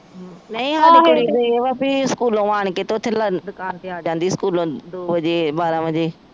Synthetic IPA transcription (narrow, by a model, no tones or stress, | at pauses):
nɐ̃ĩɦãːɪɦkɽiɾɐʋapiɪskuːlõʋaːɽ̃keːt̪oːt̪ʰɪlad̪ʊkaːnt̪eaːd͡ʒãːnd̪iɪskuːlõd̪oːʋəd͡ʒebaːɾãʋə̃d͡ʑeː